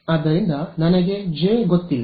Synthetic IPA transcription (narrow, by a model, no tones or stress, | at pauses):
ɐd̪ɐɾind̪ɐnɐnɐɡe̞d͡ʒeɡot̪ːilː